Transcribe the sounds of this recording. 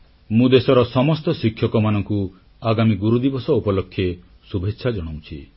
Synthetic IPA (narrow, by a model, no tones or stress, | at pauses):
mũd̪esɔɾɔsɔmɔst̪ɔsikʰjɔkɔmanɔŋku | aɡamiɡuɾud̪ibɔsɔupɔlokʰːje | subʱetːʃʰad͡ʒɔɽ̃ow̃t͡ʃʰi